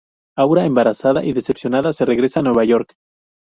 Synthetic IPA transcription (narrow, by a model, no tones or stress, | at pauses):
awɾaembaɾasaða̰ʔiðe̞se̞psjo̞naðase̞re̞ɣɾe̞saːnwe̞β̞aʝo̞ɾk